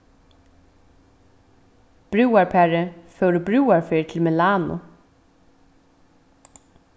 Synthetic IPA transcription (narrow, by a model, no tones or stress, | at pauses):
b̥ɾʉːaɹpʰɛːɹəføːɾəbɾʉːaɹfeɹt̪ʰɪlmɪlɑːnʊ̰